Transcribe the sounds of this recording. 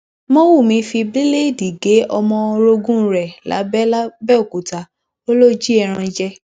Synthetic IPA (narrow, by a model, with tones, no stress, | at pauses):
mɔ̃˦wu˦˨mĩ˧˦fi˧bli˦le˦˨di˨ɡe˨˦ɔ˧mɔ̃˧ɾo˧ɡũ˦ɾɛ˨la̰˨˦bɛ˦la˦bɛ˦o˨ku˨ta˨˦ | o˦lo˦d͡ʒi˦ɛ˧ɾ̃ã˧d͡ʒɛ˦